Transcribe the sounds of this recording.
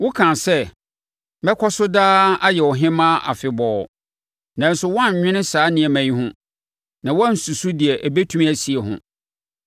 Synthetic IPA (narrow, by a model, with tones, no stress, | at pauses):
wʊ˦kʰã˨sɛ˦˨ | bɛ˦kʰɔ˦sʊ˦daː˦a˦jɛ˨ɔ˨ɦɪ̃˦mã˦ʔa̰˨fɪ˨bɔː˨ | nã˨n̩˦sʊ˦wɔ˦ã˦˨ɲ˨ɲᶣɪ̃˦nɪ̃˦saː˨˦nɪ̃˨ɛ˨mæ̃˨ɲĩ˦ɦʊ̃˦ | nã˨wɔ˦n̩˨su˨su˦di˨ɛ˨ʔæ˨be˦tʰu˦m˦æ˨si˨ɛ˨ɦʊ̰̃˨